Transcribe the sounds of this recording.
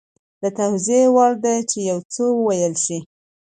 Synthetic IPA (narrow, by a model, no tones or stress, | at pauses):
d̪̥ət̪awziewɑɾd̪ajt͡ʃejawt͡səwəwajəlʃi